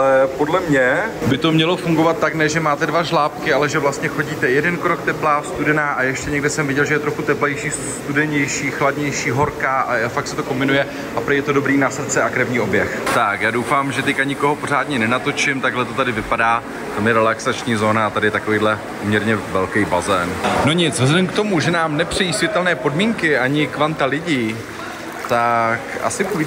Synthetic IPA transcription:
aɛpodlɛmɲɛbɪt̪o̞mɲɛlo̞fuŋɡovat̪̚ːaknɛʒɛmaːt̪ɛdvaʒlaːpkɪʔalɛʒɛvlast̪ɲɛxo̞ɟiːt̪ɛjɛdɛnkɾokt̪ɛplaːst̪udɛnaːʔajɛʃcɛɲɛɡdɪsɛmvɪɛɟɛlʒɛjɛt̪ɾo̞xut̪ɛplɛjʃiː | st̪udɛɲɛjʃiːxladɲɛjʃiːɦo̞ɾkaːʔaafaktsɛt̪o̞ko̞mbɪnujɛ | ʔapɾɛjɛt̪odo̞bɾiːnasr̩t͡sɛʔakɾɛvɲiːobjɛxt̪akjaːdowfaːmʒɛt̪ɛcaɲɪko̞ɦo̞po̞ɾ̝aːdɲɛnɛnat̪o̞t͡ʃɪmt̪aɡɦlɛt̪o̞t̪adɪvɪpadaː | ɛt̪almɛɾɛlaksat͡ʃɲiːzo̞ːnaat̪adɪjɛt̪akoviːdlɛ | pomɲɛɾɲɛvɛlkɛjbazɛːnnoɲɪt͡svɛzɛdɛmkt̪o̞muʒɛnaːmnɛpr̥ɛjiːsvʲjɛt̪ɛlnɛːpo̞dmiːŋkɪʔaɲɪkvant̪alɪɟiː | t̪akʔa̰sɪ

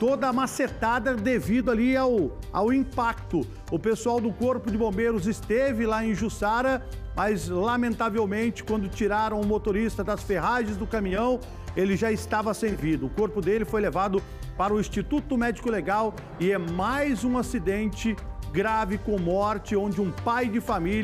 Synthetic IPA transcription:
t̪od̪ɐmaset̪ad̪ɐd̪evid̪ʊaliawa̰wĩpak̚t̪ʊ | ʊpesuawd̪ʊkoɾpʊd͡ʒɪbõbeɾʊzɪst̪evɪlaẽj̃ʒusaɾɐmʔɐzlamẽnt̪avewmẽnt͡ʃɪ̥kwɐ̃nd̪ʊt͡ʃiɾaɾɐ̃w̃ʊmot̪oɾist̪ɐd̪ɐsfeɦaʒẽzd̪ʊkɐmĩɲɐ̃w̃ | elɪʒaɪst̪avɐsẽvid̪ʊːkoɾpʊd̪elɪfojlevad̪ʊ | paɾʊĩst͡ʃit̪ut̪ʊmɛd͡ʒikʊleɡaw | ɪɛmajzũasid̪ẽnt͡ʃɪɡɾavɪkõmɔɾt͡ʃɪõnd͡ʒɪũpajd͡ʒɪfamil

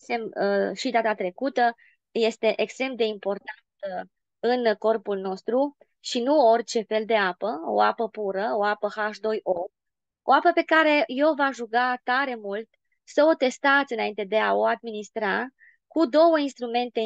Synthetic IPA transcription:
semʃid̪at̪at̪ɾe̞kut̪ə | je̞st̪e̞ʔekst̪ɾe̞md̪e̞impo̞rt̪ant̪ | ɨnko̞rpulno̞st̪ɾu | ʃinuo̞rt͡ʃe̞fe̞ld̪e̞apəo̞̰apəpuɾəo̞apəhaʃd̪o̞jo | oapəpe̞kaɾe̞je̞wvaʒuɡat̪aɾe̞mult̪ | səo̞t̪e̞st̪at̪sʲɨnaint̪e̞d̪e̞ao̞ad̪̚minist̪ɾa | kud̪o̞wəinst̪ɾume̞nt̪e̞

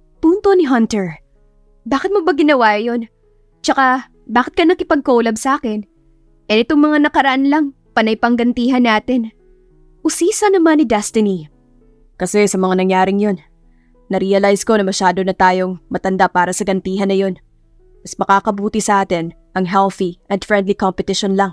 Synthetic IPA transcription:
puːnt̪onɪɦɐnt̪ɛɹ | baːkɪt̪̚mobɐɡɪnɐwajo̞n | t͡ʃɐka | baːkɪt̪kɐnɐkɪpɐɡ̚kolɐbsɐaːkɪn | ʔɛnɪt̪oŋmɐŋanɐkɐɾɐʔanlɐŋ | pɐnɐjpɐŋɡɐnt̪iːɦɐnːaːt̪ɪn | ʔʊsiːsɐnɐmanɪd̪ɛst̪ɪni | kɐsɛsɐmɐŋanɐŋjaːɾɪŋjo̞nː | ɐɾiɐlajsko̞nɐmɐʃaːd̪o̞nɐt̪aːjo̞ŋmɐt̪ɐnd̪apaːɾɐsɐɡɐnt̪iːɦɐnːɐjo̞n | mɐsmɐkaːkɐbuːt̪isɐʔaːt̪ɛn | ʔɐŋɦɛlθiʔɐd̪fɹɛnd̪likompɛt̪ɪʃonlɐŋ

